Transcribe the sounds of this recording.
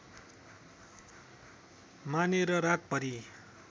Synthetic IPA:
maneɾʌɾak̚pʌɾi

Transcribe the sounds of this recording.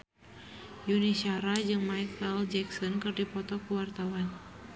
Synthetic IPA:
junisaɾad͡ʒɨŋmaikʰəld͡ʒɛksɔnkɨrdipɔt̪ɔkuwart̪awan

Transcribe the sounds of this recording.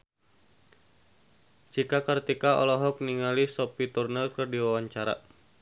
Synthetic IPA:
t͡ʃikakərt̪ikaɔ̰lɔɦɔk̚niŋalisɔpit̪urnəlkərdiwawaɲt͡ʃaɾa̰

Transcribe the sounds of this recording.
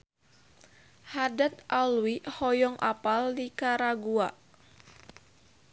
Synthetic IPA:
hadat̪ʔalwihɔjɔŋʔa̰paldikaɾaɡuaʔ

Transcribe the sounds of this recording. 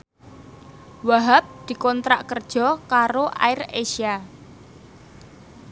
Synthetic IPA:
waɦap̚d̪̥i̤kɔnt̪ɾaʔkərd̥ʒ̥ɔ̤kaɾoʔa̰ɪreʃia

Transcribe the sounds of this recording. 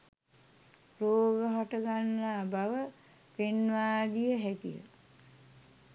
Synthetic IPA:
ɾoːɡəɦɔʈəɡanːabaʋə | penʋaːd̪ijəɦækijə̰

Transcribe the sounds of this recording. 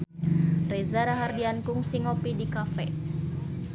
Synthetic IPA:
rɛzaɾaɦardiankuŋsiŋopidikafɛ̰

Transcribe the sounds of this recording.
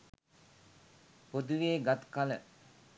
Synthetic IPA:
pod̪uʋeːɡat̪kalə̰

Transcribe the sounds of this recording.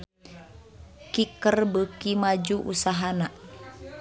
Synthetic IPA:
kikərbəkimad͡ʒuʔṵsaɦana

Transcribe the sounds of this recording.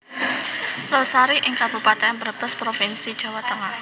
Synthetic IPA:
losaɾiʔɪŋkab̥ṳpat̪eanbərb̥əspɾofɪnsid̥ʒ̥a̤wat̪əŋah

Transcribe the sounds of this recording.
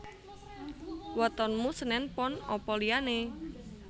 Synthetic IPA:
wɔt̪ɔnmusənɛnpɔnɔpɔliane

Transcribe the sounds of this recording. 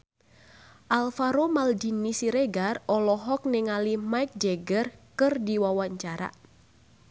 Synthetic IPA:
ʔalfaɾomaldinːisiɾeɡarɔlɔɦɔk̚nɛŋalimaik̚d͡ʒɛɡərkɨrdiwawaɲt͡ʃaɾa̰

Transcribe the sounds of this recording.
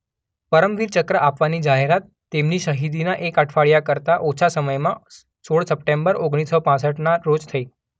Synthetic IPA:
pəɾəmʋiːɾt͡ɕəkɾəʔapʋaniːd͡ʑaɦeɾat̪ːemniːɕəɦid̪inaʔekəʈʰfaɭjakəɾt̪aʔot͡ɕʰasəməjma | soɭsəp̚ʈembəɾoɡɽ̃isəpãsəʈnaɾod͡zt̪ʰəi

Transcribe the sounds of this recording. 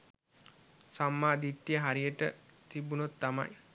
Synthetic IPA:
samːaːd̪iʈ̪ːijəɦaɾijəʈət̪ibunot̪ːama̰j

